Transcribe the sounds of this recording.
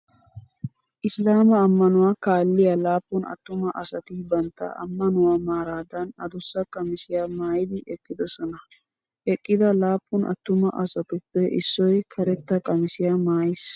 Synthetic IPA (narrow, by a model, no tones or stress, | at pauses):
ʔɪslaːmɐːmːɐnʊwaːkaːlːɪjalaːpːʊnɐ̰t̪ːʊmɐʔɐsɐt̪ɪbɐnt̪ːɐ̰ʔɐ̰mːɐnʊwaːmaːɾaːd̪ɐnɐd̪ʊsːɐkʼːɐmɪsɪjaːmaːjɪd̪ɪʔɛkʼːɪd̪ɔsɔnɐ | ʔɛkʼːɪd̪ɐlaːpːʊnʔɐ̰t̪ːʊmɐʔɐsɐt̪ʊpːɛʔɪ̰sːɔjkʰɐɾɛt̪ːɐkʼɐmɪsɪjamaːjɪs